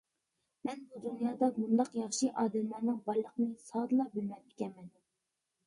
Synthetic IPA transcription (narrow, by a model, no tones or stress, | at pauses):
mɛnbud̪unjɑːd̪ɑmund̪ɑqjɑχʃiʔɑːd̪ɛmlæɾnɨŋbɑlˠəqnɨsɑːd̪ɨlˠɑbylmɛp̚e̥kʲɛnmɛn